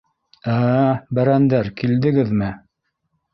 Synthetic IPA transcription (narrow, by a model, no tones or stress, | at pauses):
æbæɾænd̪æɾkild̪ɘ̆ɡɘðmɘ